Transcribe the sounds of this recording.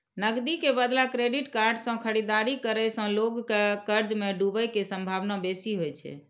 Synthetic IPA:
nəɡd̪ikebəd̪lakɾeɖiʈkaɾɖsə̃kʰəɽid̪aɾikəɾəjsə̃loɡkekəɾd͡ʒmeɖubəjkesə̃mbʱaʋnabesiɦojt͡ʃʰɛ̰

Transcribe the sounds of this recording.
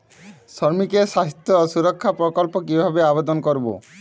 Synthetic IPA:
sɔɾmikeʃaɦit̪ːɔːsuɾɔkʰːapɾɔkɔlpokibʱabeabed̪ɔnkoɾbo̰

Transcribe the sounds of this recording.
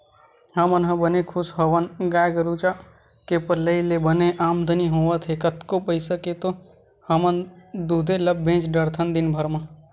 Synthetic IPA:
hɐmənɦɐbənekʰʊsɦəʋənɡaːjɡəɾut͡ʃa | kepəɾləilebəneʔaːmd̪ʱəniɦoːʋət̪ʰɦekət̪kopəisəket̪o | hɐmənd̪uːd̪ʱeləbːʱẽːt͡ʃɖəɾt̪ʰənd̪ɪnbʱəɾmãː

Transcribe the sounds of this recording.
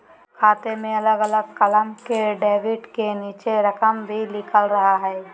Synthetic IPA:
kʰaːt̪emẽɐləɡɐləɡ̚kɐləmkeɖeːʋɪɖkeniːt͡ʃeɾɐkəmbʱilɪkʰəlɾɐɦaɦɛː

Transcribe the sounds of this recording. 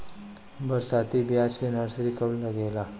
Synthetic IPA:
bɐɾsaːt̪ibjaːd͡ʒkenəɾsɾikəblːɐɡeːlaː

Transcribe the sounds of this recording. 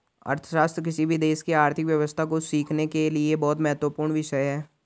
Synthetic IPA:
ə̰ɾt̪ʰə̥ʃaːst̪ɾək̬ɪsibʱid̪eːʃkiaːɾt̪ʰɪkʋjɐʋəst̪ʰakosiːkʰnekeliebɔːt̪mɐɦət̪wəpuːɾɳ̃ʋɪʃəjɦɛː

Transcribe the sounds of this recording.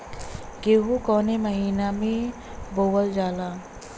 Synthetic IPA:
ɡeːɦukɔːneməɦiːnamẽ | bowəld͡ʒaːlaː

